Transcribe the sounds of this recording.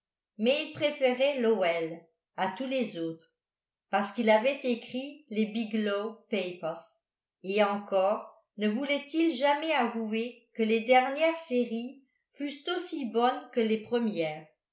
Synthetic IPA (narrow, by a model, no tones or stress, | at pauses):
mɛilpχefeʁɛlɔɛl | at̪ulezot̪χ | paʁsə̥kilavɛt̪ekχilebiɡlɔpepɛʁs | eɑ̃kɔʁ | nəvulɛt̪ilʒamɛavuekəled̪ɛʁnjɛʁseʁi | fyst̪osibɔnkəlepχəmjɛːʁ